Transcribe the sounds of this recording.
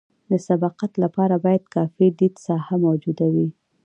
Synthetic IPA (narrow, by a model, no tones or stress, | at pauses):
d̪əsab̪ɑqat̪lapɑɾabɑjad̪kɑfid̪id̪sɑhamawd͡ʒud̪awi